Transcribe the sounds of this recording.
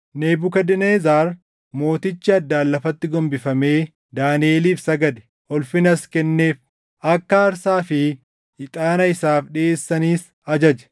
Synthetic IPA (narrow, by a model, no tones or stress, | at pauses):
neːbʊkɐd̪ɪneːzaːɾ | mo̞ːt̪ɪt͡ʃːɪɐd̪ːaːlːɐfɐt̪ːɪɡɔmbɪfɐme̞ː | d̪aːnɪeːliːfsɐɡɐd̪ɛ̥ | ʔɔlfɪnɐskɛnːe̞ːf | ʔɐkːɐːɾsaːfɪ | ɪt̪ʼaːnɐɪsaːfᶑɪeːsːɐniːs | ɐd͡ʒɐd͡ʒɐ̥